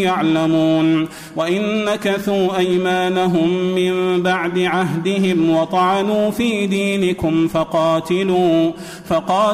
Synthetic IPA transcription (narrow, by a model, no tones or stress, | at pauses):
jaʕlamuːn | waʔɪnːakaθuːʔajmaːnaɦʊmːɪmbaʕd̪ɪʕaɦd̪ɪɦɪmwɑt̪ˤɑʕɑnuːfiːd̪iːnɪkʊmfɑqɑːt̪ɪluː | fɑqɑː